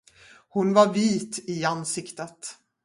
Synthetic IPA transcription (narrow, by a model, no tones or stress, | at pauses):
hʊnvaɾviːt̪ɪansɪkt̪ət̪